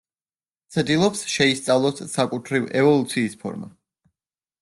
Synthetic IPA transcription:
t̪sʰd̪ilˠɔpsʃɛist̪sʼavlˠɔsːakʼut̪ʰɾivɛvɔlˠut̪sʰiːspʰɔ̰ɾma̰

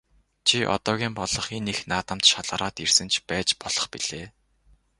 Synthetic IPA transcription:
t͡ɕʰiʔɔ̰t̪ɔːɣʲiːmpɔɮɞ̆χenexnaːt̪ə̆mt̪ʃaɮəɾɔːt̪irsɘ̆nt͡ɕʰpæːt͡ɕpɔɮ̥ɞ̆χpiɮ̥eː

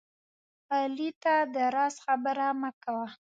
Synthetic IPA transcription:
ɑlit̪ad̪əɾɑsxabəɾaməkawa

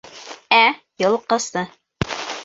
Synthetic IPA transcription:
æ | jɤ̆lˠqɤ̆st̪ɤ

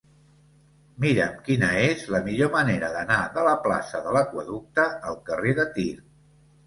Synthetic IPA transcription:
miɾəmkinəezləmiʎoməneɾəðənaðələpla̰səðələkwəðuk̚t̪əːlˠkəreðət̪iɾ

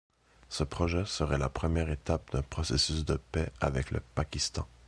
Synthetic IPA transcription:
səpχɔʒɛsəʁɛlapχəmjɛːʁet̪ap̚d̪ɛ̃pχɔsɛsysd̪əpɛa̰vɛklə̰pakʲist̪ɑ̰̃

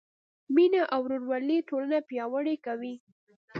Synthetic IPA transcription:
minaʔawɾoɾwɑlitolanapjɑwəɽekawi

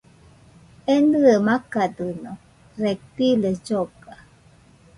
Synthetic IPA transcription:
end̪ɯemakad̪ɯno | ɾek̚t̪iled͡ʒoɡa

